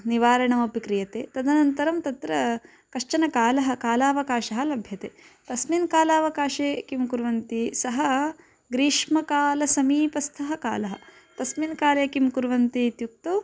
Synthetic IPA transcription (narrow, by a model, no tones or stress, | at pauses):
niʋaːɾɐɳɐmɐpikɾijɐt̪ḛːt̪ɐd̪ɐnɐnt̪ɐɾɐmt̪ɐt̪ɾɐ | kɐʂt͡ʃɐnɐkaːlɐɦɐkaːlaːʋɐkaːʃɐɦɐlɐbʱjɐt̪ḛː | t̪ɐsminkaːlaːʋɐkaːʃeːkimkuɾʋɐnt̪isɐɦɐ | ɡɾiːʂmɐkaːlɐsɐmiːpɐst̪ʰɐɦɐka̰ːlɐɦɐ̰̆ | t̪ɐsminkaːleːkimkuɾʋɐnt̪it̪juk̚t̪oː